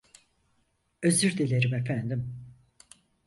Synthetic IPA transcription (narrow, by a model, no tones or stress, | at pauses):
øzyɾd̪elʲeɾimefænd̪im